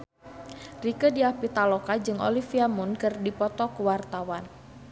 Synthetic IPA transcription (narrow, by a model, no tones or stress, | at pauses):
rikədiapit̪alokad͡ʒɨŋo̰lifiamunkɨrdipɔt̪ɔkəwart̪awan